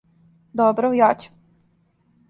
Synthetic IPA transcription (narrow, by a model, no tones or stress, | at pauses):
d̪ɔbɾojaːt͡ɕu̥